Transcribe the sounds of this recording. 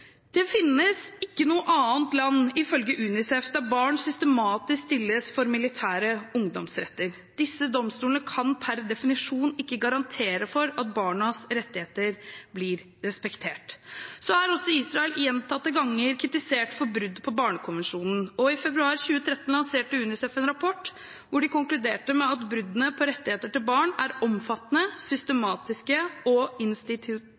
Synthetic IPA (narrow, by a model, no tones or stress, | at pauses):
d̪̥ɛfɪnːəsɪkːənuːəʔɑːənt̪lɑnːɪfœlɡəʔʉːnɪsɛfd̪æɾbɑːɳsʏst̪əmɑːt̪ɪskst̪ɪlːəsfɔɾmɪlɪt̪ʰæːɾəʊŋd̪ɔ̰msɾɛ̰t̪ːəɾ | d̪̥ɪsːəd̪ɔmst̪uːlnəkʰɑnpʰæɾd̪ɛfɪnɪʂuːnɪkːəɡɑɾɑnt̪ʰeːɾəfɔɾɑt̪̚bɑːɳəsɾɛt̪ːɪheːt̪əɾblɪɾ | ɾɛspɛkt̪ʰeːʈsɔæɾɔsɔiːsɾɑɛljɛnt̪ʰɑt̪ːəɡɑŋːəɾkʰɾɪt̪ɪseːʈfɔɾbɾʉd̪ːpʰɔbɑːɳəkʰʊnʋɛnʂuːnn̩ɔɪfɛbɾʉɑːɾçʉːət̪ʰɾɛt̪n̩lɑnseːʈəʉnɪsɛfɛnɾɑpʰɔʈː | ʋʊɖɪkʊŋklʉd̪eːʈəmɛɑt̪bɾʉd̪ənəpʰɔɾɛt̪ːɪheːt̪əʈɪlbɑːɳæɾɔmfɑt̪ːnəsʏst̪əmɑːt̪ɪskəɔɪnst̪ɪt̪ʰɪ